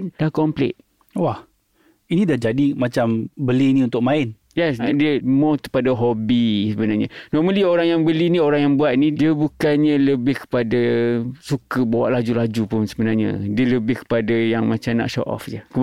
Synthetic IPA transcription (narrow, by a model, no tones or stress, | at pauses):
nd̥ahkɔmplɪ̰t̪̚ | wah | inĩdad͡ʒadimãt͡ʃambəlinĩunt̪ʊk̚mãɪn | jɛsdiəmɔt̪ə̥padaɦɔbisəbənaɲanɔrməlioɾaŋjaŋbəlinĩoɾaŋjaŋbuat̪̚nidiəbukanɲãləbɪhkə̥padasukəbawa̰ʔlad͡ʒulad͡ʒupʊnsəbənarɲã̰diələbɪhkə̥padajaŋmat͡ʃamna̰ʔʃɔ̰ʔɔ̰fd͡ʒəkə